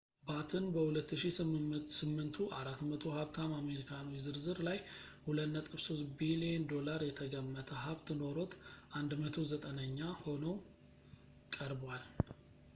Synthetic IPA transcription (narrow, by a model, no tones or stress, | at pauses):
bat̪ʰɨnbəhulət̪ːɨʃissɨmːɨnt̪ʰuʔaɾat̪mət̪ʰo̞haβt̪ʰamame̞ɾikʰanuizɨɾzɨɾlajhulət̪nət̪ʼɨβso̞st̪biliɛnd̪o̞laɾjɛt̪ʰəɡəmːət̪ʰəɦaβt̪ɨno̞ɾo̞t̪ʰʔand̪mət̪ʰo̞zət̪ʼənəɲːaho̞nəw | kʼəɾbwal